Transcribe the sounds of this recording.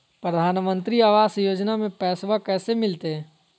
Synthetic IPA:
pɾəd̪ʱaːnmə̃nt̪ɾiaːʋaːsjoːd͡ʒnamẽpɛːswakɛːsemɪlt̪eɦɛ̃ː

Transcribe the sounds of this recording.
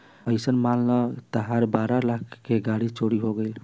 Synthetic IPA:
əɪsənmalnət̪əɦaɾbaɾalak̚ʰkːeɡaɽit͡ʃoɽiɦoɡəl

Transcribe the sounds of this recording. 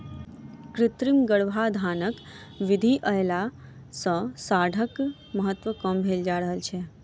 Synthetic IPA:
kɾɪt̪ɾɪmɡəɽʋʱad̪ʱaːnək | ʋɪd̪ʱiʔəela | sə̃saːɖʱək | məɦət̪ʋəkəmbʱeld͡ʒaɾəɦəlt͡ʃʰe

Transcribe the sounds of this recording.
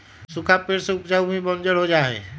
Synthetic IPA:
sʊkʰapeːɾseʊpd͡ʒaːubʱibə̃nd͡ʒəɽɦod͡ʒaːḛː

